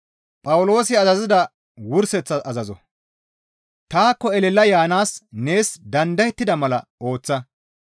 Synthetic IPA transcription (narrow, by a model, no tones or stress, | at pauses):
pʼɐwʊlo̞ːsɪɐzɐzɪd̪ɐ | wʊɾsɛt͡sːɐɐzɐzɔ̰ | t̪aːkːɔɛlɛlːɐjaːnaːsne̞ːsd̪ɐnd̪ɐjɛt̪ːɪd̪ɐmɐlɐo̞ːt͡sːɐ